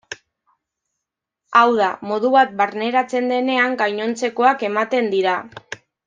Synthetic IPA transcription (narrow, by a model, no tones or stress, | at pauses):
awð̞amo̞ð̞uβat̪̚baɾne̞ɾat͡se̞nd̪e̞ne̞aŋɡajɲo̞nt͡se̞ko̞ake̞mat̪e̞nd̪iɾa